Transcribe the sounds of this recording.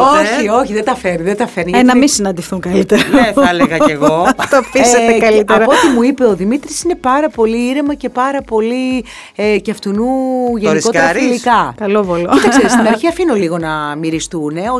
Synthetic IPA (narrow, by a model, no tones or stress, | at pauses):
oçio̞çiðet̪ɐfeniðet̪ɐfeɾniʝɐennɐminsinɐnd̪iθuŋkɐlit̪eɾɐneθɐleɣɐeɣo̞t̪ofisɐt̪ekɐlit̪eɐɾɐpot̪imuipe̞o̞ðimit̪ɾisine̞pɐɾɐpo̞liiɾemɐce̞pɐɾɐpo̞li | ecɐft̪unuʝenko̞t̪ɾɐɾilikɐkɐlovolit̪ɐkkseɾist̪inɐɾçiɐfinoliɣo̞nɐmiɾist̪une̞o